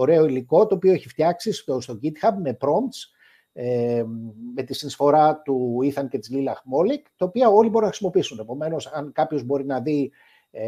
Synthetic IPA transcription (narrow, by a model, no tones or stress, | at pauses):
oɾe̞oiliko̞t̪o̞ːpio̞e̞çift̪jɐksist̪ost̪o̞ɟit̪xɐbme̞pɾo̞mt̪s | e | me̞t̪isinisfo̞ɾɐt̪uiθɐnce̞t̪izlilɐxmo̞likt̪ɐopiɐo̞libo̞ɾunɐxɾisimo̞piisune̞po̞me̞no̞sɐŋkɐpço̞zbo̞ɾinɐði